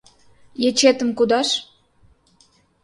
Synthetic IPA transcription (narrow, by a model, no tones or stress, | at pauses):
jet͡ɕet̪ə̆mkud̪ɑʃ